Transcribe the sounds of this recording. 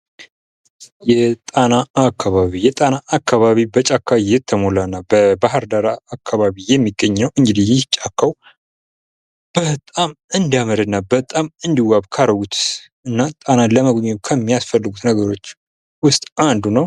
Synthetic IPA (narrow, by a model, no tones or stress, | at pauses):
jɛt̪ʼanaakʰːaβaβijɛt̪ʼanaʔːkːaβaβibət͡ʃʼakʰːajɪt̪ʰːəmolanːabəbaɦəɾd̪aɾaakʰːaβaβijɛmːiɡəɲːəwɨŋɡɨd̪ijɪt͡ʃʼːakʰːaw | b̥ət̪ʼamɨnd̪aməɾɨnːabət̪ʼamɨnd̪iwaβkʰaɾəɡut̪ | ɨnːat̪ʼanaləməɡɲːɛkʰəmːijasfəlːɨɡut̪nəɡəɾo̞t͡ʃː | wʊst̪ʼʔand̪unəw